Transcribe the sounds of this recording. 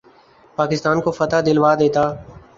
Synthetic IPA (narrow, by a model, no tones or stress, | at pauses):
paːkɪst̪aːnkoːfət̪aːd̪ɪlʋaːd̪eːt̪aː